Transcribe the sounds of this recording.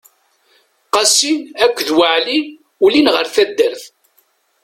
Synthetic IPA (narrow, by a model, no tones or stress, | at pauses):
qɑsinækʷːðwəʕli | ulinʁəɾθæd̪ːəɾθ